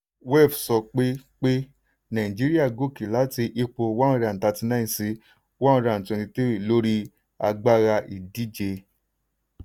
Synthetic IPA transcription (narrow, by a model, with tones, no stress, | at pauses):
wɛ˦˨fsɔ˧˨k͡pe˦k͡pe˦ | nã˨ĩ˨d͡ʒi˦ɾi˦a˦˨ɡo˦˨ki˨la˨˦ti˧ʔi˧k͡po˧wã˦˧ɾa˨n̩˨ta˨˧ti˧nã˦ĩ˨si˨˦ | wã˦ũ˧ɾa˧˨n̩˨tɛ̃˨˧nĩ˧te˦i˨lo˦ɾi˦ | a̰˧ɡ͡ba˦ɾa˧ʔi˨di˨˦d͡ʒe˧